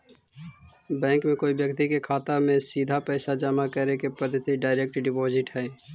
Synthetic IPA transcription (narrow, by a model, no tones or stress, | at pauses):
bɛ̃ːŋkmẽkoːibjəkt̪ikekʰaːt̪amẽsiːd̪ʱapɛːsad͡ʒəmakəɾekepəd̪ʱːət̪iɖaːɪɾek̚ʈɖɪpɔːzɪʈɦɛː